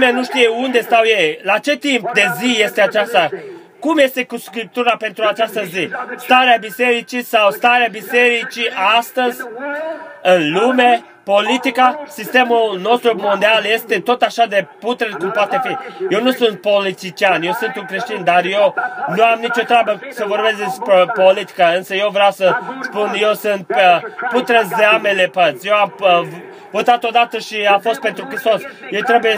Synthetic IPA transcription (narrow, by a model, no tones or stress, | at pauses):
meanuʃt̪ijeund̪e̞st̪awjejlat͡ʃe̞t̪impd̪e̞zije̞st̪e̞at͡ʃast̪a | kumje̞st̪e̞kuskɾip̚t̪uɾape̞nt̪ɾuat͡ʃast̪əzist̪aɾeabise̞ɾit͡ʃisawst̪aɾeabise̞ɾit͡ʃiʔast̪əzʲ | ɨnlume | po̞lit̪ikasist̪e̞mulno̞st̪ɾumond̪ialje̞st̪e̞t̪o̞t̪aʃad̪e̞put̪ɾəkumpat̪e̞fije̞wnusunt̪̚po̞lit̪it͡ʃianje̞wsɨnt̪uŋkɾeʃt̪ind̪arje̞wnuamnit͡ʃo̞t̪ɾʲabəsəvo̞rbe̞sd̪espɾepolit̪i̥kaɨnsəje̞wvɾeawsəspunje̞wsɨnt̪̚put̪ɾəzeamele̞pət̪sje̞wam | vot̪at̪o̞d̪at̪əʃiafo̞st̪̚pe̞nt̪ɾukɾist̪o̞sjewt̪ɾe̞buje